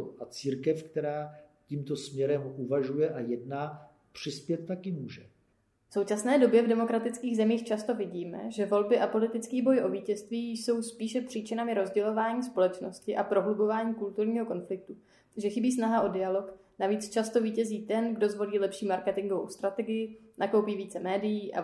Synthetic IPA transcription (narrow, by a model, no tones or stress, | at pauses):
ʔat͡siːɾkɛfkt̪ɛɾaːciːmt̪o̞smɲɛɾɛmʔuvaʒujɛʔajɛdnaː | pr̝̥ɪspjɛt̪̚ːakɪmuːʒɛ | fso̞wt͡ʃasnɛːdo̞bjɛvdɛmo̞kɾat̪ɪt͡skiːɣzɛmiːxt͡ʃast̪o̞vɪɟiːmɛ̰ʒɛvo̞lbɪʔapo̞lɪt̪ɪt͡skiːbo̞jʔo̞viːcɛst̪viːjjso̞wspiːʃɛpr̥iːt͡ʃɪnamɪɾo̞zɟɛlo̞vaːɲiːspo̞lɛt͡ʃno̞scɪʔapɾo̞ɦlubo̞vaːɲiːkult̪uɾɲiːɦo̞ko̞nflɪk̚t̪u | ʒɛxɪbiːsnaɦaʔo̞dɪalo̞k | naviːt͡st͡ʃast̪o̞viːcɛziːt̪ɛnɡdo̞zvo̞liːlɛpʃiːmaɾkɛt̪ɪŋɡo̞vo̞̰wst̪ɾat̪ɛɡɪjɪnʔako̞wpiːviːt͡sɛmɛːdɪjiːʔa̰